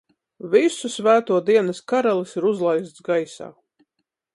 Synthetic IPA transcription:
visusvæːt̪uɔd̪iɛnɐskaɾalˠisiɾuzlˠajst̪sɡajsa̰ː

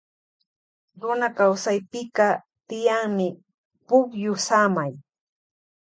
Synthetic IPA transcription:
ɾʊnakawsajpɪkɑ | t̪ɪjaŋmɪ | pʊkjʊsamaj

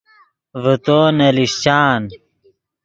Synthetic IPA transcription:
vət̪oːnɐliɕt͡ɕaːn

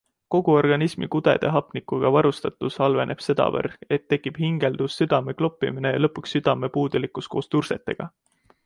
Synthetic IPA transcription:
ko̞ɡ̥uo̞rɡ̥ɑnismḭkud̪̥e̞̰d̪̥eɦɑpˑnikˑuɡ̥ɑvɑɾust̪ɑt̪ːˑushɑlve̞̰ne̞b̥se̞d̪̥ɑ̰vɤ̰re̞t̪ːe̞kːˑib̥hiŋɡ̥e̞ld̪̥usːyd̪̥ɑme̞klo̞pːˑḭmine̞jɑlɤpːˑuksːyd̪̥ɑme̞puːd̪̥ulikːˑusko̞ːst̪urse̞t̪ːˑe̞ɡ̥ɑ̰

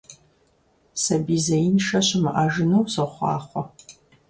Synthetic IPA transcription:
sɐbiːzɐjinʃɐɕɪmɨʔaːʒɨnɐwsɨχʷɑ̰ːχʷɔ

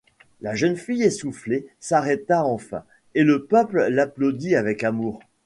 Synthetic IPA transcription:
laʒənfijesuflesaʁet̪aɑ̃fɛ̰̃ | eləpœpllaplod̪iavɛkamuːʁ

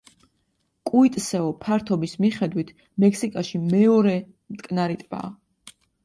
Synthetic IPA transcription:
kʼuit̪ʼsɛɔpʰaɾt̪ʰɔbismiχɛd̪wit̪ʰ | mɛkʰsikʼaʃimɛɔɾɛ | mt̪ʼkʼnaɾit̪ʼba̰ː

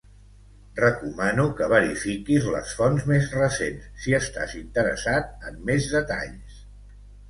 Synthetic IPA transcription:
rəkumanukəβ̞əɾifikizlə̰sfɔnzmezrəsensːiəst̪a̰zint̪əɾə̰sat̪̚əmːezðət̪a̰ʎs

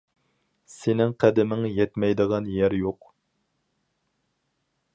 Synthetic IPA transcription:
sɪnɪŋqʰɛd̪ɪmɪŋjɛt̪mɛjd̪əʁɑnjɛɾjoq

